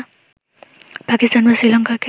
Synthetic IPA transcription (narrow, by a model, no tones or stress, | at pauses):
pakist̪anmasilʌŋkake